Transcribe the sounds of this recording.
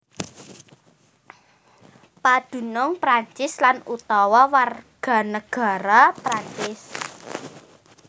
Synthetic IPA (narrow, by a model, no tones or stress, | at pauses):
pad̪̥ṳnʊŋpɾaɲt͡ʃɪslanut̪ɔwɔwarɡ̥a̤nəɡ̥a̤ɾɔpɾaɲt͡ʃɪs